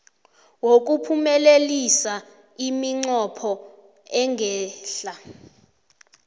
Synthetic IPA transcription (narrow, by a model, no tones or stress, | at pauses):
wok̬upʰumɛlelisa | imiŋ͡ǀɔpʰɔ | ɛŋɡʱɛːɬa